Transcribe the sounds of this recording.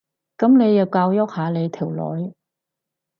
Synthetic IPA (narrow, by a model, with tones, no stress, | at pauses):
kɐ˨˥mne˨˧jɐ˨wkaː˧wjɔ˥k̚haː˨˧le˨˧jt̪ʰi˨˩wlɔ̰ː˨˥j